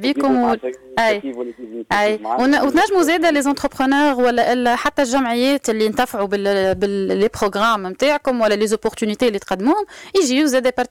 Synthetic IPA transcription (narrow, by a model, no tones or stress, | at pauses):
bikʊmlʔæjʔæjwwt̪næʒːmuzɛd̪ælezɑ̃t̪χəpχənœːʁwælːæʔɪlːɛħat̪ːælʒæmʕɪjːɛːt̪ɪlːint̪æfʕubɪbɪlepχoɡʁammt̪aːʕkʊmwælːælezopːɔʁt̪ynit̪elːit̪qɑd̪ːmuːhʊmiʒiuzɛːd̪æpɑɾt̪i